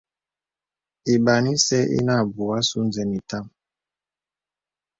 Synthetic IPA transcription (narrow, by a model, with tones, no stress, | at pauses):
i˨ɓa˨ni˦sɛ˦ʔḭ˦na˦˨bu˨a˦su˦n˨zɛ˨mi˨ta˦m